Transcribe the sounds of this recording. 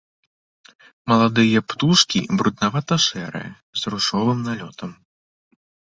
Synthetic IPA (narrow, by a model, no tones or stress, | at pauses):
mɐlˠad̪ɨjɐpt̪uʂkʲḭbɾud̪navat̪ɐʂɛɾɨ̰jɐ | zruʂɔvɨmnalʲɔt̪ɐm